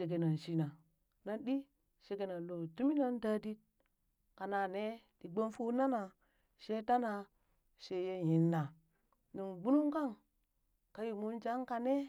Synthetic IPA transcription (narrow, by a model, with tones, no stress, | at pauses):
e˨ɡ̬e˨na˨n˨ʃi˦na˨ | na˦nɗi˦ | ʃe˨ɡe˨na˨n˨lo˨tu˦mi˦na˦n˦da˦di˦t̚ | ka˨na˨ne˦di˨ɡ͡bo˦nfu˦na˦na˨ | ʃe˦ta˦na˨ | ʃe˦je˦ji˨nːa˨ | ni˨nɡ͡bu˦nu˦ŋka˦˨ŋ | ka˨ji˨mu˦nd͡ʒa˦ŋka˨ne˦